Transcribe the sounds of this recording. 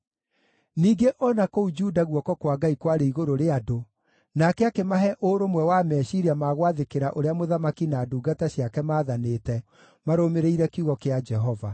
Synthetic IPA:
niːɡeʔɔnakoud͡ʒuːdaɣwɔkɔkwaɡaikwaɾeiɣoɾoɾeado | nakɛakemaɦɛʔoːɾomwɛwamɛːʃiɾiamaːɣwaðekeɾaʔoɾeamoðamakinaːduːɡataɕjakɛmaːðanetɛ | maɾomeɾeiɾɛkuɣɔkead͡ʒɛɦɔva

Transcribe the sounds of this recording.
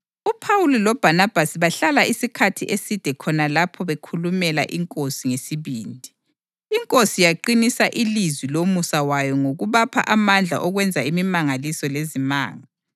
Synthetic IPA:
upʰawulilɔb̥ʱanab̥ʱasiβaɬalaisikʰatʰḭʔesid̥ʱɛkʰɔnalapʰɔβekʰulumɛla̰ʔiŋkʼosiŋesiβiːndʱi | iŋkʼosijaǃinisaʔilizwilomusawajɔŋoɣuβapʰa̰ʔamand͡ɮʱa̰ʔɔɣwɛnd͡zʱaimimaŋalisɔlezima̰ːŋa

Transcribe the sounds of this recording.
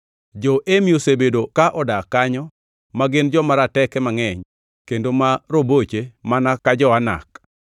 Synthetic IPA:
d͡ʒɔʔemijosebedokaʔɔdakaɲɔ | maɡɪnd͡ʒɔmaɾatɛkɛmaŋɛɲ | kendomaɾobot͡ʃemanakad͡ʒɔana̰k

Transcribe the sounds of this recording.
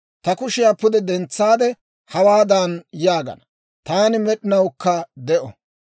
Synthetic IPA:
t̪ɐkʊʃɪjaːpʊd̪ɛd̪ɛnt͡sːaːd̪ɛ | hɐwaːd̪ɐnjaːɡɐ̰nɐ | t̪aːnɪmɛɗɪnɐwkːɐd̪ɛʔɔ

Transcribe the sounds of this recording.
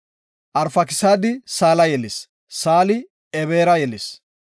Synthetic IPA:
ʔɐɾfɐkɪsaːd̪ɪsaːlɐjɛlɪs | saːlɪ | ɛβeːɾɐjɛlɪs

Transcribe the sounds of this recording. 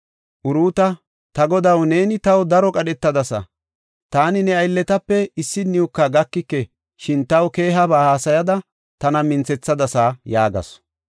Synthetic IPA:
ʔʊɾuːt̪ɐ | t̪ɐɡɔd̪ɐwne̞ːnɪt̪ɐwd̪ɐɾɔkʼɐɗɛt̪ːɐd̪ɐsɐ̰ | t̪aːnɪnɛɐjlːɛt̪ɐpːɛɪsːɪnːiʊkːɐɡɐkːɪkːɛ | ʃɪnt̪ɐwke̞ːɦɐbaːhaːsɐjɐd̪ɐ | t̪ɐnɐmɪnt͡sɛt͡sːɐd̪ɐsaːjaːɡɐ̰s

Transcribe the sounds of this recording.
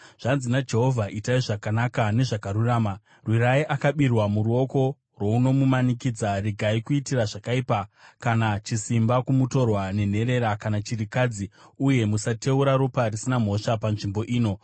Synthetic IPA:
ʐ̥anzinad͡ʒe̞ɦo̞vʱaʔitaiʐakanakane̞ʐakaɾuraːma | rwiɾaiʔakaɓirwamuɾuo̞ko̞ | rwo̞uno̞mumanikiːd͡zariɡʱaikuitiraʐakaipakanat͡ʃisimbakumuto̞rwane̞n̤e̞ɾe̞ɾakanat͡ʃirikad͡ziuje̞musate̞uɾaɾuparisinam̤o̞ʃapanʐimbo̞ʔiːno̞

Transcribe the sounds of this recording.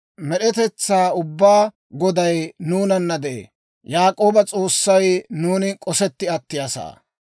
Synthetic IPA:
mɛɗɛt̪ɛt͡sːaːʊbːaː | ɡɔd̪ɐjnuːnɐnːɐd̪ɛʔḛː | jaːkʼo̞ːbɐt͡sʼo̞ːsːɐjnuːnɪkʼɔsɛt̪ːɪɐt̪ːɪjasa̰ː

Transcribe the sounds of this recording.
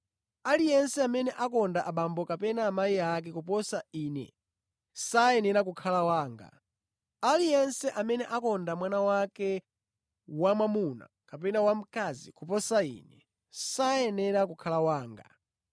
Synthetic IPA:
alijɛnsɛamɛnɛʔakɔndaʔaɓambɔkapɛnaːmajiak̬ɛkup̬ɔsainɛ̰ | sajɛnɛɾak̬ukʰalawaːŋɡa̰ | alijɛnsɛʔamɛnɛʔakɔndamwanawakɛ | wamwamuna̰ | kapɛnawam̩kazḭkupɔsaḭːnɛ | sajɛnɛɾak̬ukʰalawaːŋɡa̰

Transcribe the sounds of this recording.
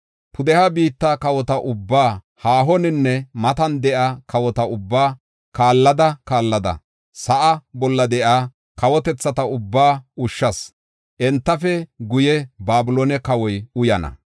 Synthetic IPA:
pʰʊd̪ɛhɐbiːt̪ːɐkɐwɔt̪ɐʔʊbːaː | haːɦɔnɪnːɛmɐt̪ɐnd̪ɛʔakʰɐwɔt̪ɐʊbːaː | kaːlːɐd̪ɐkaːlːɐd̪ɐ̰ | sɐʔɐbɔlːɐd̪ɛʔaː | kɐwɔt̪ɛt͡sːɐt̪ɐʊbːaːʊʃːɐs | ʔɛnt̪ːɐfɛɡʊjɛbaːbʊloːnɛkɐwɔjʊjɐnɐ̰

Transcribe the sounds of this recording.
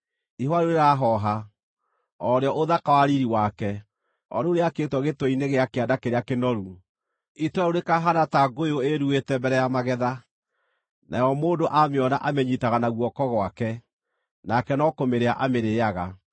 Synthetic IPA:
ihwaɾuɾeɾaɦɔɦa | ɔɾeɔʔoðakawaɾiɾiwakɛ | ɔ̰ɾeoɾeakeːtwɔɣetwɔineɣeakeadakeɾeakenɔɾu | itwaoɾekaɦanataɡojoeɾuetɛmbɛɾɛjamaɣɛða | nʔa̰jɔmoːndoʔameɔnaʔamɛɲitaɣanaɣwɔkɔɣwakɛ | nakɛnɔkomeɾeaʔameɾeːaɣa

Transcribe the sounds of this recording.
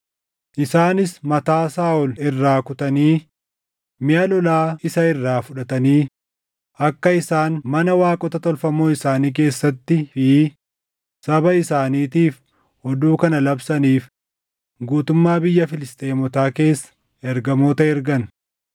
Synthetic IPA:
ʔɪsaːnɪsmɐt̪aːsaːʔɔlɪrːaːkʊt̪ɐniː | mɪjɐlɔlaːɪsɐɪrːaːfʊᶑɐt̪ɐniː | ʔɐkːɐɪsaːnmɐnɐwaːkʼɔt̪ɐt̪ɔlfɐmoːɪsaːniːk̬e̞ːsːɐt̪ːɪfɪː | sɐbɐɪsaːniːt̪iːf | hɔd̪uːkɐnɐlɐbsɐniːf | ɡuːt̪ʊmːaːbɪjːɐfɪlɪst̪ʼeːmɔt̪aːke̞ːsːɐ̥ | ɛɾɡɐmoːt̪ɐɛɾɡɐn

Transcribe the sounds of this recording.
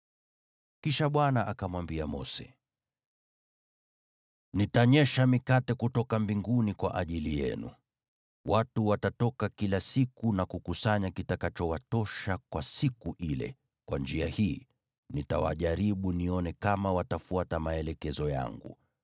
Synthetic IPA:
kiʃaɓwanaʔakamwambiamɔ̰sɛ̥̰ | nitaɲɛʃamikatɛkutɔkambiŋɡunikwa̰ʔaʄilijɛ̰nṵ | wʔatuwatatɔkakilasikunakukusaɲakitakat͡ʃɔwatɔʃakwasikuʔilɛ̰ | kwand͡ʒiahiː | nita̰wa̰ʄaɾiɓuniɔnɛkamawatafuatamaɛlɛkɛzɔja̰ŋɡṵ

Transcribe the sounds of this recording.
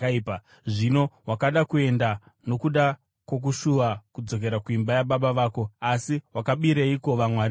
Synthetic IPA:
pa | ʐino̞wakaɗakue̞nda | no̞kuɗa | kwok̬uʃuʋakud͡zo̞k̬e̞ɾakuimbajaɓaɓaʋaːko̞asiwakaɓiɾeiko̞ʋamwaɾi

